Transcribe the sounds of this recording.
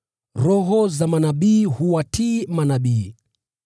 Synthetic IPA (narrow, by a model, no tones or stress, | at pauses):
ɾɔɦɔzamanaɓiːhuwatʰiːmanaɓiː